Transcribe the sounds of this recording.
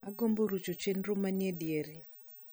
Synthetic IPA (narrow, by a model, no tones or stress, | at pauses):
aɡomboɾut͡ʃot͡ʃenɾʊmanjedjeɾi